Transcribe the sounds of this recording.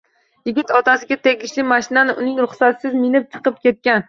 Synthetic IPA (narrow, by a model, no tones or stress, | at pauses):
jɪɡʲɪt̪ɒt̪ʰasɪɡʲat̪ʰe̞ɡʲɪʃlɪmaʃɪnanɪʔʊnɪŋɾʊχsat̪sɪzmɪnɪp̚t͡ʃʰɨ̥qɨp̚kʲe̞t̪̚kʲan